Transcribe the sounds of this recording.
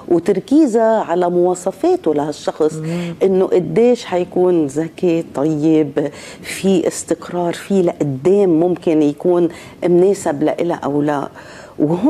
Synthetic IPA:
wt̪aɾkiːzaʕalamʊwɑːsˤɑfeːt̪olahaʃːɑxsˤʔɪnːoʔad̪ːeːʃħajakuːnzaket̪ˤɑjːɪb | fiʔɪst̪ɪqɾɑːɾˤfilaʔad̪ːeːmːʊmkɪnjakuːn | mneːsabla̰ʔɪ̰la̰ʔa̰wla̰ | w

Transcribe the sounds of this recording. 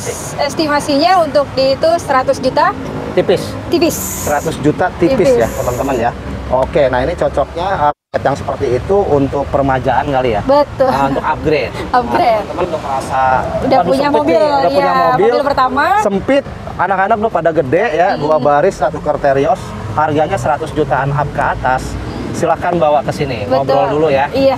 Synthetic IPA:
ɛst̪imasiɲaunt̪ʊk̚diːt̪ʊsəɾat̪ʊsd͡ʒut̪a | t̪ipɪs | t̪ipɪs | səɾat̪ʊsd͡ʒut̪at̪ipɪsjat̪əmənt̪əmənja | ʔokenahinit͡ʃɔt͡ʃɔk̚ɲaəpakɛt̪jaŋsə̥pərt̪iːt̪uunt̪ʊk̚pərmad͡ʒaʔankalija̰bət̪ʊlunt̪ʊkap̚ɡɾet̪̚ap̚ɡɾet̪əmənt̪ʊk̚masaudaaduɲamobiludapuɲamobɪllpərt̪amasəmpɪt̪̚ | anakanak̚dʊhpadaɡədɛʔjaduabaɾɪsɾat̪ukərt̪eɾiɔs | harɡaɲasəɾat̪ʊsd͡ʒut̪aːnap̚kəat̪as | silahkanbawakəsinibəobɔldulujaja

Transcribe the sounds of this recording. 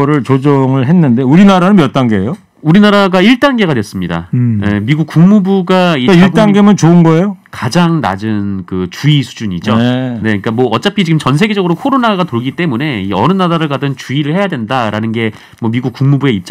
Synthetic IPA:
ɾɯɭt͡ɕod͡ʑʌŋɯɭɦenːɯnde̞uɾinaɾanɯnmjʌt͈anɡejo | uɾinaɾaɡaiɭt͈anɡe̞ɡadwes͈ɯmɲida̰je̞miɡuk̚k͈uŋmubuɡaiiɭt͈anɡe̞mɯnt͡ɕoɯnɡʌejokad͡ʑaŋna̰d͡ʑɯnkɯt͡ɕuisʰu̥d͡ʑuɲid͡ʑone̞ik͈amwʌʌt͡ɕ͈apʰit͡ɕiɡɯmt͡ɕʌnsʰe̞ɡe̞d͡ʑʌɡɯɾokʰoɾonaɡatoɭɡit͈e̞mune̞iʌnɯnaɾaɾɯɭkadɯnt͡ɕuiɾɯɭhe̞jadwe̞ndaɾanɯnɡe̞ | mwʌmiɡuk̚k͈uŋmubue̞it̚t͡ɕ͈

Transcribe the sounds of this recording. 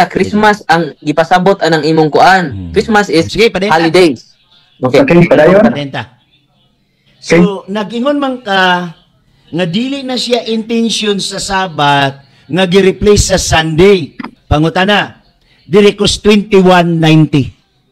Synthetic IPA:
akɾismasɐŋɡɪpasabot̪ɐnaŋʔiːmʊŋkʊʔankɾismasɪssɪɡɪpɐd̪ajalid̪ejs | okekepɐd̪ajpad̪ɛnt̪a | sonɐɡʔɪŋonmaŋka | ŋad̪iːlɪʔnasɪaʔɪnt̪ɛnsjonsɐsaːbat̪̚ | ŋaɡɪɾɪplɛjsːɐsand̪ejpɐŋʊt̪ana | d̪ɪɾɪkost̪wɛnt̪iwanːajnt̪i

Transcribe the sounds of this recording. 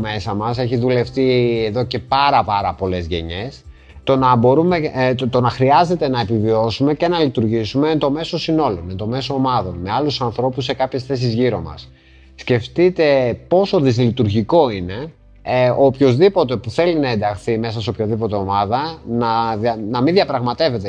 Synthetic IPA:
me̞sɐmɐse̞çiðule̞ft̪ieðo̞ce̞pɐɾɐpɐɾɐpo̞le̞zʝe̞̰ɲe̞s | t̪o̞nɐbo̞ɾumet̪o̞nɐxɾiɐze̞t̪e̞nɐepivio̞sume̞ce̞nɐlit̪uɾʝisume̞nt̪o̞me̞so̞sino̞lo̞nent̪o̞me̞so̞ːmɐðo̞nme̞ɐlusɐnθɾo̞pusːe̞kɐpçe̞sθe̞s̬izʝiɾo̞mɐ̰sː | ce̞ft̪it̪e̞po̞so̞ðizlit̪uɾʝiko̞ine̞ | opço̞zðipo̞t̪e̞puθe̞linɐend̪ɐxθime̞sɐseopçoðipo̞t̪e̞o̞mɐðɐnɐðnɐminðiɐpɾɐɣmɐt̪e̞ve̞t̪e

